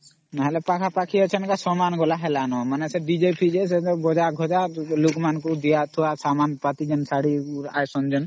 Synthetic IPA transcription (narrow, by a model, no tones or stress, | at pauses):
naɦɛlɛpakʰapakʰijat͡ʃʰɔnkasɔmanɡɔlaɦɛlanɔmanesebid͡ʒepʰid͡ʒes̬eɔɡɔd͡ʒaɡʱɔd͡ʒalukmankud̪ijat̪ʰuwasamanpat̪id͡ʒɔnsaɽia̰jsɔnd͡ʒɔn